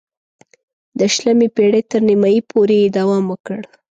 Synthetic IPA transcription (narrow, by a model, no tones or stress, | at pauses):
d̪əʃlamepeɽet̪əɾnimɑjipʰoɾejed̪awɑmwəkəɽ